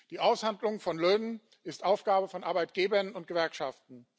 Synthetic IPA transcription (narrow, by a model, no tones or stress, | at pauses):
d̥iːʔaʊshandlʊŋfɔnløːnən | ɪstʔaʊfɡ̥aːbəfɔnʔaɐbaɪt̚ɡ̥eːbɐnʊnt̚ɡ̥əvɛɐkʃaftn̩